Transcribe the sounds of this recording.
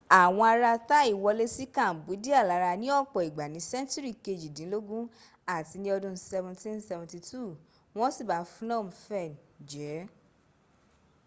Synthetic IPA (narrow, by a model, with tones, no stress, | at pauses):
a˨w̃ɔ̃˧a˧ɾa˧ta˦i˦˨wɔ˧le˦si˦kã˦˨n̩˨bu˨˦di˦a˦˨la˨˦ɾa˧nĩ˦ɔ˦˨k͡pɔ˨i˨ɡ͡ba˨nĩ˨˦sɛ̃˦n˦ti˦ɾi˦˨ke˧˨d͡ʒi˨dĩ˨˦lo˦ɡũ˦ | a˦˨ti˧nĩ˦ɔ˧dũ˧˦sɛ˧vũ˧tĩ˦nsɛ˧vũ˧ti˧tu˦˨ | w̃ɔ̃˦si˦˨ba˨˦fũ˦nɔ̃˦˨mũ˧˦fɛ˦˨nd͡ʒɛ˨˦